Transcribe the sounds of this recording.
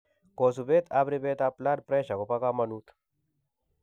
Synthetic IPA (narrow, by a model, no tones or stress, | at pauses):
kosubet̪abɾibet̪aplaɾpɾeʃakopakamɐnut̪